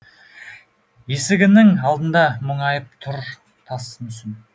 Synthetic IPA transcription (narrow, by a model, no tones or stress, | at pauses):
je̞sɪɡʲɪnɪŋɑlˠd̪ənd̪ɑmʊɴɑjəp̚t̪ʰʊɾ | t̪ʰɑsmʏsɪn